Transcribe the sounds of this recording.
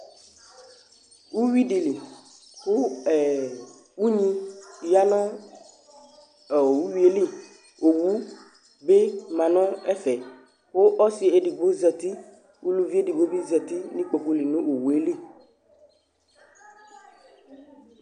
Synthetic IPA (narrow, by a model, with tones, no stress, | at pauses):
wu˦wi˦ɖi˨li˨ | xo˦ɛ˨ | wu˦ɲĩ˦˨ja˦nã˦˨ | wu˦wi˦e˦li˦ | o˨wu˦ | be˦mã˨nɔ̃˦ɛ˦fɛ˨ | wo˦ʔɔ˦si˨e˨ɖi˨bo˦zɛ˨t̪i˦ | wu˦lu˦vi˦e˦ɖi˨bo˦bi˦zɛ˨t̪i˦nĩ˦k͡po˨ku˦li˨nũ˦o˨wu˨e˦li˦˨